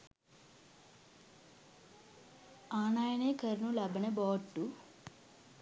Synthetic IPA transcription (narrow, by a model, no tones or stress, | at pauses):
aːnaːjɐneːkɐɾnulɐbɐneboːʈːu